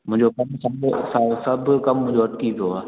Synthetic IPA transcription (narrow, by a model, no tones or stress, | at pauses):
mʊ̃ɪ̃ɲd͡ʑokɐmsɐ̃sãːsɐbʱkɐmmʊ̃ɦɪ̃d͡ʑoɐʈkipʰijoaː